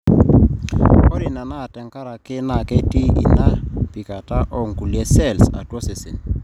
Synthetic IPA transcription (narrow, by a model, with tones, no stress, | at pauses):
ɔ˦ɾɪ˨na˨na˦˨tɛ˨ŋka˦ɾa˨kɪ˦na˨kɛ˦ti˦ḭ˨na˦pi˨ka˨ta˦ʔɔ˦ŋ̩˨ku˨lɛ˦sɛ˦˨lsa̰˨twɔ˦sɪ˨sɪ̰˨n